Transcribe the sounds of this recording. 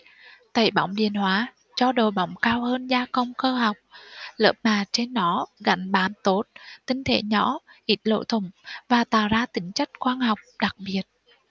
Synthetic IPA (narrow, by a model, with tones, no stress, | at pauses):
t̪a̰ː˧˩jɓa̰˧˦wŋ͡mɗḭ˧˨ənhwaː˨˦ | t͡ɕɔ˧ɗo˨˩jɓa˨˦wŋ͡mkaː˧whəː˧nzaː˧kə˧wŋ͡mkəː˧ɦa˨˩wk͡p̚lə̰ː˨˦˥p̚naː˨˩t͡ɕe˧nːɔ˨˦ɣa̰˧˩jŋ̟ɓaː˨˦nt̪o˦˥t̚t̪ï˧ŋ̟t̪ʰe˧˩˦ɲɔ˧˦ʔi˦˥t̚lo̰˧˥jt̪ʰʊ˧˩ŋ͡mvaː˨˩t̪a̰ː˧˨wzaː˧t̪ï˨˦ŋ̟t͡ɕa˦˥jk̟̚kwaː˧nɦɔ˨˩wk͡p̚ɗa˨˩k̚ɓi˨˩ət̚